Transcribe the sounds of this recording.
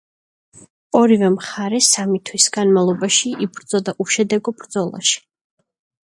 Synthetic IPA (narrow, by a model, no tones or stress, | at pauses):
ɔɾivɛmχaɾɛsamit̪ʰwisɡanmalˠɔbaʃiʔibɾd̪zɔd̪aʔuʃɛd̪ɛɡɔbɾd̪zɔlˠa̰ʃi̥